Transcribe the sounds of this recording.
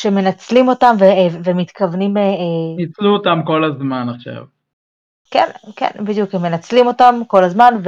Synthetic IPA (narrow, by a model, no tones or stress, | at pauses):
ʃeme̞nat͡slimo̞tamvevemit̪kavnimenit͡sluot̪amko̞lazmanaχʃa̰v | kḛnkḛnbid̪jukemːe̞nat͡slimo̞tamko̞lazmanv